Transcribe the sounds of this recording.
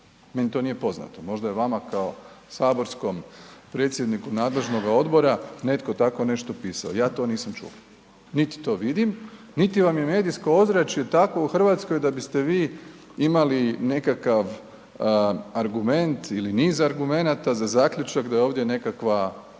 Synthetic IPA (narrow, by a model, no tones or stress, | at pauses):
me̞nit̪o̞nije̞po̞zna̰t̪omo̞ʒd̪ajeʋamakao̞saːbo̞ɾsko̞mpɾe̞ːt̪sjed̪nikunaːd̪le̞ʒno̞ɡao̞d̪bo̞ɾane̞t̪ko̞t̪ako̞ne̞ʃt̪o̞piːsa̰ojaːt̪o̞ːniːsamt͡ʃṵla | nit̪i̥t̪o̞ːʋid̪im | nit̪iʋamje̞me̞ːd̪ijskoozɾat͡ʃiet̪ako̞uxr̩ʋaːt̪sko̞jd̪abist̪e̞ʋiː | imaline̞kakaʋ | aɾɡume̞nt̪iliniːzaɾɡume̞nat̪azazaːkʎʲut͡ʃakd̪aeo̞ːʋd̪je̞ne̞kakʋa